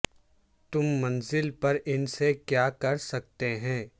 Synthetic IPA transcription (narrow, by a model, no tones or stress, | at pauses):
t̪ʊmːɐnzɪlpɐɾɪnsekjaːkɐɾsɐk̚t̪eɦɛ̃ː